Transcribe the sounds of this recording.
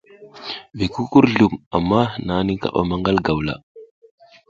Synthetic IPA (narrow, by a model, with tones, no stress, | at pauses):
vi˨ku˦ku˦ɾɮu˨ma̰˨mːa˦na˨˦ni˦ka̰˨ɓa̰˦ma˦ŋɡa˦lɡa˨wla̰˨